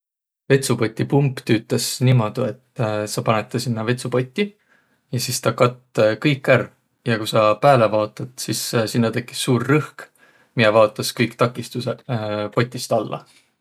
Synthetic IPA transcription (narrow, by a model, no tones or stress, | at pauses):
ve̞t̪supo̞t̪ʲˑːipumpt̪yt̪ːˑesnimo̞d̪̥ue̞t̪ːsɑpɑnet̪ˑːɑsinːɑve̞t̪supo̞t̪ʲːˑi | jɑsist̪ɑkɑt̪ːkɤjkːˑær | jɑkusɑpæːle̞vɑːt̪ːˑɑt̪sissinːɑt̪e̞kːˑi̥sːuːrːɤhk | mijɛvɑːt̪ːˑɑskɤjkt̪ɑkːˑist̪usepo̞t̪ʲːˑist̪ɑlːʔɑ̰